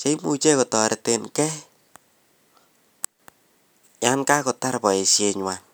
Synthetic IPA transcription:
t͡ʃe˦i˦mu˨t͡ʃe˦ko˨tɔ˨ɾe˨te˨nkɛ˦ | ja˦nka˦kʊ˨ta˦ɾpɔ˨e˨sjeɲwa

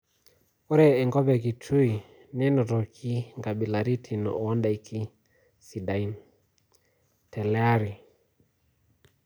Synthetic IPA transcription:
o˦ɾɛː˨ŋɡɔ˦bɛ˨ki˨tʰu˦i˨ | n˦ɛ˦nɔ˨tɔ˨kʰi˦ŋɡa˨ɓi˨la˨ɾi˦tʰi˨nɔ̰˨ɔ˦nda˨i˦kʰi˦ | si˨da˨i˦n | tɛ˨lɛ˦a˦ɾi˨

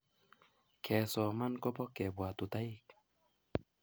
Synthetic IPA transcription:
kʰɛː˨sɔː˨ma˧˨nkɔ˦bɔ˧˦kɛ˨bwa˨t̪u˨t̪a˦j

